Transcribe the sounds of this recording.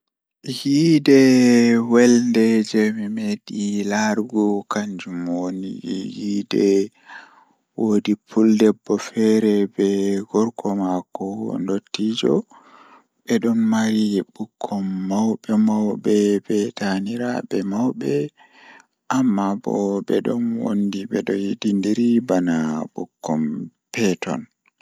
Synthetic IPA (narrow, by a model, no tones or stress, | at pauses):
hidɛwɛlndɛd͡ʒɛmimeɗilaɾɡɔkaɲd͡ʒumonḭhidɛ | wodipʰuldɛbːɔfɛɾɛbɛɡɔɾkʰɔmakɔ̰ndotːid͡ʒɔ̰ | ɓɛɗɔnmaɾibukʰːɔmːawɓɛmawbɛbɛtaniɾabɛmawbɛ | ʔamːabɔ̰bɛ̰ɗɔnwo̰ndibɛɗɔjidindiɾibanaɓukʰːɔm | pɛtɔ̰n